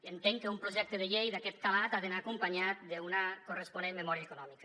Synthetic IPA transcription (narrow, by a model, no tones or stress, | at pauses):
ent̪eŋkeumpɾoʒek̚t̪eð̞eʎejðaket̪̚kalat̪aðenaːkompaɲat̪̚d̪eunakoresponemːemoɾiaekonɔmikḁ